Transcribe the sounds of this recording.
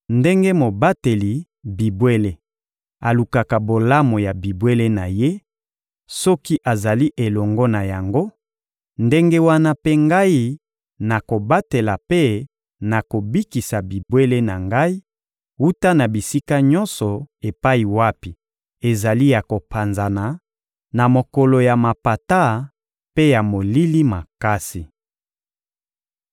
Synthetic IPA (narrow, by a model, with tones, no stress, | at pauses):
nde˦ŋɡe˦mo˨ba˦te˨li˨ | bi˨bwe˦le˦ | a˨lu˨ka˨ka˨bo˨la˦mo˨ja˨bi˨bwe˦le˦na˨je˦ | sɔ˦ki˦ʔa˨za˨li˦ʔe˨lɔ˨ŋɡɔ˦na˨ja˨ŋɡo˦ | nde˦ŋɡe˦wa˦na˦pe˦ŋɡa˦ji˦ | na˨ko˨ba˦te˨la˨pe˦ | na˨ko˨bi˦ki˨sa˨bi˨bwe˦le˦na˨ŋɡa˦i˦ | u˦ta˦na˨bi˨si˦ka˦ɲɔ˦nsɔ˨e˨pa˦i˨wa˦pi˨ | e˨za˨li˦ja˨ko˨pʰa˨nza˨na˨ | na˨mo˨kɔ˨lo˨ja˨ma˨pa˨ta˦ | pe˦ja˨mo˨li˦li˦ma˨ka˦si˨